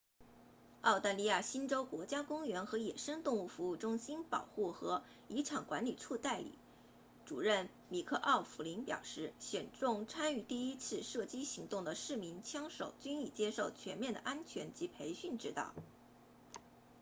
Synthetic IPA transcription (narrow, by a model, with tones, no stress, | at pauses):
ɑ˥˧ʊt̪a˥˧li˥˧ja˥˩ɕi˥nʈ͡ʂo˥ʊkwɔ˧˥t͡ɕja˥kʊ˥ŋɥɛ˧˥nxɤ˧˥jɛ˨˩ʂə˥ŋt̪ʊ˥˧ŋu˥˩fu˧˥u˥˩ʈ͡ʂʊ˥ŋɕi˥npɑ̰˨˩ʊxu˥˩xɤ˧˥ | i˧˥ʈ͡ʂʰɑ˨˩ŋkwa˧˥nli˨˩ʈ͡ʂʰu˥˧t̪a˥˩ɪlḭ˨˩˦ | ʈ͡ʂu˨˩ɻə˥˩n | mi˨˩kʰɤ˥˧ʔɑ˥˩ʊfu˧˥li˧˥npjɑ̰˨˩ʊʂɻ̩˥˩ɕjɛ˨˩nʈ͡ʂʊ˥˩ŋt͡sʰa˥ny˥˧t̪i˥˩i˥t͡sʰɹ̩˥˧ʂɤ˥˩t͡ɕi˥ɕi˧˥ŋt̪ʊ˥˩ŋd̪ə˩ʂɻ̩˥˩mi˧˥nt͡ɕʰjɑ˥ŋʂo˨˩ʊt͡ɕy˥ni˥˩t͡ɕjɛ˥ʂo˥˩ʊt͡ɕʰɥɛ˧˥nmjɛ˥˩nd̪ə̰˩ʔa˥nt͡ɕʰɥɛ˧˥nt͡ɕi˧˥pʰe˧˥ɪɕy˥˩nʈ͡ʂɻ̩˥t̪ɑ̰˥˩ʊ